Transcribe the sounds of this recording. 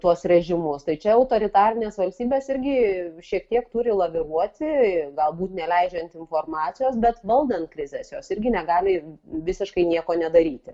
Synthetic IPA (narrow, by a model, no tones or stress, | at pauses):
t̪uɔsɾʲɛʒʲɪmʊst̪ɐɪt͡ʃʲɛɐʊt̪oːɾʲɪt̪ɑːɾʲɪnʲeːsʋɐlʲsʲt̪ʲiːbʲeːsɪɾʲɡʲɪʃʲiɛkt̪ʲiɛkt̪ʊɾʲɪlˠɐʋʲɪɾuɔt̪ʲɪɡɐlˠbuːt̪nʲɛlʲɛɪd͡ʒʲɛnʲt̪ʲɪnfoːrmɑːt͡s̪ʲɪjoːsbʲɛt̪ʋɐlˠd̪ɐnt̪̚kɾʲɪzʲesjoːsɪɾʲɡʲɪnʲɛɡɑːlʲɪʋʲɪsʲɪʃkɐɪnʲiɛkoːnʲɛd̪ɐɾʲiːt̪ʲɪ